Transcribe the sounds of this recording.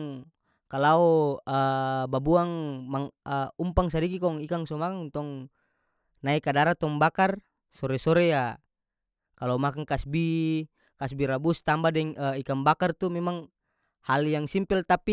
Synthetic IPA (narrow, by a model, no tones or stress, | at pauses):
ŋ | kalauəbabuaŋmaŋəumpaŋsadikikɔŋikaŋsɔmakaŋt̪ɔŋ | naikadaɾat̪ɔŋbakar | sɔɾɛsɔɾɛja | kalamakaŋkasbi | kasbiɾabust̪ambadɛŋəikambakart̪umɛmaŋ | haljaŋsimpɛlt̪api